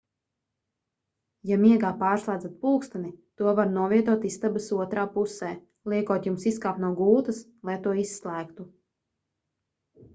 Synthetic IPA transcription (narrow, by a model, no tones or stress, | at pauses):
jamiɛɡaːpaːɾslˠaːd̪zat̪̚puːkst̪anit̪uɔvaɾnuɔviɛt̪uɔt̪ist̪abɨsuɔt̪ɾaːpusɛː | lˠiɛkuɔt̪jumsiskaːpnuɔɡuːt̪as | lˠajt̪uɔisːlˠæːkt̪u